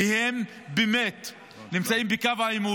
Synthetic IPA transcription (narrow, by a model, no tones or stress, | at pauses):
ihem | bemet | nimt͡saimbekavaimu